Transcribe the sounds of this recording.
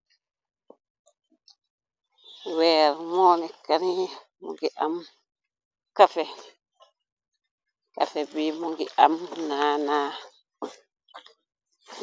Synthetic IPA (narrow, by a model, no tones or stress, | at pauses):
wɛɾmɔnɛkaɾi | mṵɡiʔam | kafɛ | ka̰fɛbimuɡiʔamnaːnaː